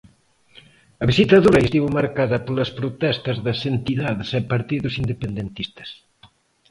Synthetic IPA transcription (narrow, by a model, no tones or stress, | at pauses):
ɐβisit̪ɐðuɾɐest̪iβʊmaɾkaðɐpolɐspɾot̪ɛst̪ɐzðɐsent̪iðaðɪsɛpɐɾt̪iðʊsind̪epend̪ent̪ist̪ɐ̥s